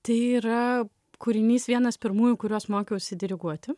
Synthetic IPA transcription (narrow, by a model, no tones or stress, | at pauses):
t̪ɐɪiːɾɐ | kuːɾʲɪnʲiːsʋʲiɛnɐspʲɪɾmuːjukʊɾʲoːsmoːkʲɛʊʃʲsʲɪd̪ʲɪɾʲɪɡuɔt̪ʲɪ